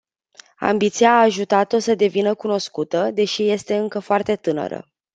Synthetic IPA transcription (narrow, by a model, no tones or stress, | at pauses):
a̰mbit̪sijaːʒut̪at̪o̞səd̪e̞vinəkuno̞skut̪əd̪e̞ʃije̞st̪e̞ɨŋkəfoart̪e̞t̪ɨnə̰ɾə̰